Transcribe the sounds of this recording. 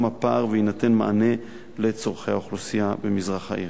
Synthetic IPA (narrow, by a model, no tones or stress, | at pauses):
mapaʁveinat̪e̞nmaane̞ | le̞t͡soʁχejhaoχlosijabemizʁaχa̰ʔi